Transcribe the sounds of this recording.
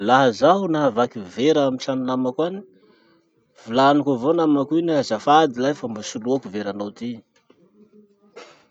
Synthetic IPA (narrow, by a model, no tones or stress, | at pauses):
laɦəzaɦunaɦavakiveɾaamiʈ͡ʂanunamakwani̥ | v̥ulanikavonamakuinaɦazafad̪ilajfambasuluakuveɾanawt̪i̥